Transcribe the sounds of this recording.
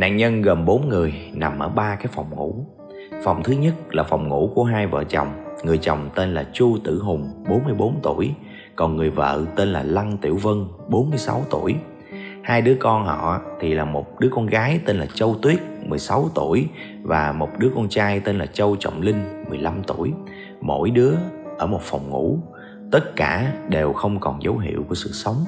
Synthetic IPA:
na̰ː˧˨ŋɲə˧nɣə˨˩nɓo˨˦nŋɨ˨˩əjna˨˩mʔəː˧˩ɓaː˧kaː˨˦jfa˨˩wŋ͡mŋṵ˧˥ | fa˨˩wŋ͡mt̪ʰɨ˨˦ɲə˦˥t̚laː˨˩fa˨˩wŋ͡mŋṵ˧˥ku˧˩əɦaː˧jvə̰ː˧˨t͡ɕə̰˨˩wŋ͡mŋɨ˨˩əjt͡ɕə˨˩wŋ͡mt̪e˧nlaː˨˩t͡ɕu˧t̪ɨ̰˧˩ɦʊ˨˩ŋ͡mɓo˨˦nmɨ˧jɓo˨˦nt̪u˧˩əj | kɔ˨˩nŋɨ˨˩əjvə̰ː˧˨t̪e˧nlaː˨˩la˧ŋt̪ḭ˧˩əwvə˧n | ɓo˨˦nmɨ˧əjsa̰˨˦wt̪u˧˩əj | haː˧jɗɨ˨˦əkɔ˧nhɔ̰˧˨˧t̪ʰi˨˩laː˨˩mo˨˩t̚ɗɨ˨˦əkɔ˧nɣaː˨˦jt̪e˧nlaː˨˩t͡ɕə˧wt̪wi˦˥ət̚mɨ˨˩əjsa˨˦wt̪u˧˩əj | vaː˨˩mo˨˩t̚ɗɨ˨˦əkɔ˧nt͡ɕaː˧jt̪e˧nlaː˨˩t͡ɕə˧wt͡ɕə̰˧˨wŋ͡mlï˧ŋ̟mɨ˨˩əjla˧mt̪u˧˩əj | mo̰˧˥jɗɨ˨˦əʔəː˧˩mo˨˩t̚fa˨˩wŋ͡mŋṵ˧˥ | t̪ə˦˥t̚kaː˧˩ɗe˨˩wxə˧wŋ͡mkɔ˨˩nzə˨˦wɦḭ˧˨əwku˧˩əsɨ̰˧˨sə˨˦wŋ͡m

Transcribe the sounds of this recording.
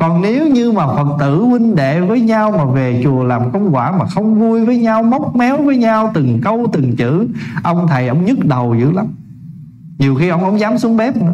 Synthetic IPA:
kɔ˨˩nne˨˦wɲɨ˧maː˨˩fə˨˩t̚t̪ɨ̰˧˥wï˧ŋ̟ɗḛ˧˨vəː˨˦jɲaː˧wmaː˨˩ve˨˩t͡ɕu˨˩əlaː˨˩mkə˧wŋ͡mkwaː˧˩maː˨˩xə˧wŋ͡mvu˧jvəː˨˦jɲa˧wmə˦˥wk͡p̚mɛ˨˦wvəː˨˦jɲa˧wt̪ɨ˨˩ŋkə˧wt̪ɨ˨˩ŋt͡ɕɨ̰˧˥ʔə˧wŋ͡mt̪ʰə˨˩jʔə̰˧˥wŋ͡mɲɨ˦˥t̚ɗə˨˩wzɨ̰˧˥la˨˦m | ɲi˨˩əwxi˧ʔə˧wŋ͡mʔə̰˧˥wŋ͡mzaː˨˦msu˨˦əŋɓɛ˦˥p̚nɨ̰˧˦

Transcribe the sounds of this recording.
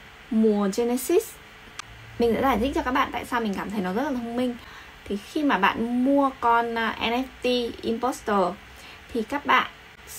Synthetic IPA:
mu˨˩əze˧nɛ˧si˦˥s | mï˨˩ŋ̟ɗa̰ː˧˥zaː˧˩t̪ʰi˦˥t͡ɕɔ˧kaː˦˥k̚ɓa̰ː˧˨t̪a̰ː˧˨saː˧wmï˨˩ŋ̟kaː˧˩mt̪ʰə˨˦jnɔ˨˦zə˦˥t̚laː˨˩ə˧ŋ͡mmï˧ŋ̟ | t̪ʰi˨˩xi˧maː˨˩ɓa̰ː˧˨nmu˧əkɔ˧nː˨ʔɛ˧nɛ˦˥t̪i˧ʔi˧mpɔ˦˥st̪əː˨˩ | t̪ʰi˨˩kaː˦˥k̚ɓa̰ː˧˨n

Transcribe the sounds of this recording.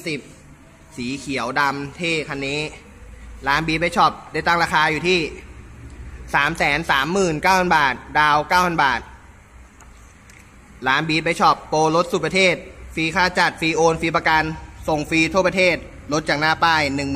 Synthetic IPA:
si˨˩p̚ | siː˩˦kʰi˨˩˦əwda˧mt̪ʰeː˥˩kʰa˧nːiː˦˥ | laː˦˥nbiː˧t̪̚pa˧˩jt͡ɕʰɔ˨˩p̚da˥˩jt̪a˥˩ŋɾaː˧kʰaː˧juː˨˩t̪ʰiː˥˩ | saː˩˦msɛː˩˦nsaː˩˦mːɯː˨˩nkaː˥˩wpʰa˧˥˩nbaː˨˩t̪̚daː˧wkaː˥˩wʰpʰa˧˥˩nbaː˨˩t̪̚ | laː˦˥nbiː˧t̪̚pa˧˩jt͡ɕʰɔ˨˩pːoː˧lo˦˥t̪̚su˨˩pa˧t̪ʰeː˥˩t̪̚fiː˧kʰaː˧˩t͡ɕa˨˩t̪̚fiː˧ʔoː˧nfiː˧p̬a˧ka˧nso˨˩ŋfiː˧t̪ʰu˥˩əp̚t̪ʰeː˥˩t̪̚ | lo˦˥t̪̚t͡ɕaː˨˩k̚naː˥˩paː˥˩jnɯ˨˩ŋm˨

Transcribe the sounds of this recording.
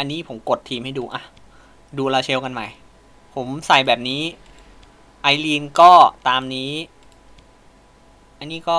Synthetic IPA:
ʔa˧nːiː˦˥˩pʰo˩˦mko˨˩t̪ʰːiː˧mha˥˩jduː˧ʔa˧˩ | duː˧laː˧t͡ɕʰe˧wka˧nma̰˨˩j | pʰo˩˦msa˨˩jbɛː˨˩p̚niː˦˥ | ʔa˧jliː˧nkɔː˥˩t̪aː˧mniː˦˥ | ʔa˧nːiː˦˥kɔː˥˩

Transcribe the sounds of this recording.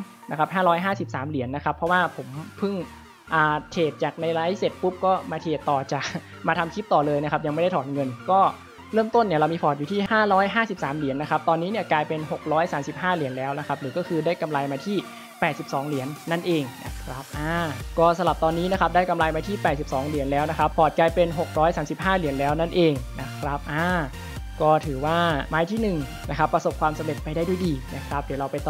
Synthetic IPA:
na˦˥kʰa˦˥p̚ɦaː˥˩ɾɔː˦˥jɦaː˥˩si˨˩p̚saː˩˦mli˩˦ənːa˦˥kʰa˦˥pʰːɔ˦˥waː˥˩pʰo˩˦mpʰɯ˥˩ŋ | ʔaː˨˩t̪ʰeː˨˩t̪̚t͡ɕaː˨˩k̚na˧jlaː˦˥jse˨˩t̪̚pu˦˥p̚kɔː˥˩maː˧t̪ʰeː˨˩t̪ːɔː˨˩t͡ɕaː˨˩k̚ | maː˧t̪ʰa˧mkʰi˦˥p̚t̪ɔː˨˩lɤː˧jna˦˥kʰa˦˥p̚ja˧ŋm˥jda˥˩tʰɔː˩˦nŋɤ˧nkɔː˥˩ | ɾɤː˥˩mt̪o˥˩nːi˥˩ɐɾa˧wmiː˧pʰɔː˨˩t̪̚juː˨˩t̪ʰiː˥˩haː˥˩ɾɔː˦˥jɦaː˥˩si˨˩p̚saː˩˦mli˩˦nːa˦˥kʰa˦˥p̚t̪ɔː˧nːiː˦˥ni˥ɐklaː˧jpe˧nɦo˨˩k̚ɾɔː˦˥jsaː˩˦msi˨˩p̚haː˥˩li˨˩˦ənlɛː˦˥wna˦˥kʰa˦˥p̚ɾɯː˩˦kɔː˥˩kʰɯː˧daː˥˩jka˧mla˧jmaː˧t̪ʰiː˥˩ | pɛː˨˩si˨˩p̚sɔː˩˦ŋli˨˩˦ənːa˥˩nʔeː˧ŋna̰˦˥kʰɾa˦˥p̚ʔaː˧˩kɔː˥˩sa˧la˨˩p̚t̪ɔː˧nːiː˦˥na˦˥kʰa˦˥p̚daː˥˩jka˧mla˧jmaː˧t̪ʰiː˥˩pɛː˨˩t̪̚si˨˩p̚sɔː˩˦ŋli˨˩˦nlɛː˦˥wna˦˥kʰɾa˦˥pʰːɔː˨˩t̪̚klaː˧jpe˧nɦo˨˩k̚ɾɔː˦˥jsaː˩˦msi˨˩p̚haː˥˩li˨˩˦ənlɛː˦˥wna˥˩nʔeː˧ŋna˦˥kʰɾa˦˥p̚ʔaː˧˩ | kɔː˥˩t̪ʰɯː˩˦waː˥˩maː˦˥jt̪ʰiː˥˩nɯ˨˩ŋ | na˦˥kʰa˦˥pːɾa˧so˨˩p̚kʰwaː˧msa˨˦mle˨˩t̪̚pa˧jda˥˩jdu˥˩jdiː˧na˦˥kʰɾa˦˥p̚di˨˩˦ɾa˧wpa˧t̪

